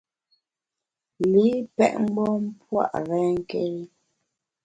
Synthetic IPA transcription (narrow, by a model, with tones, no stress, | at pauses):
li˨˦pɛ̰˦ʔŋ͡m̩˦ɡ͡bɔ˦m̩˦pwa̰˦˨ʔɾɛ˦ŋ˦ke˦ɾi˦